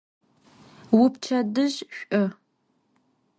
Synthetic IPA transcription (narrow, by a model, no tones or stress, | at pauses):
wʊpt͡ʃʰɐdɨʑɕʷʼʔɐ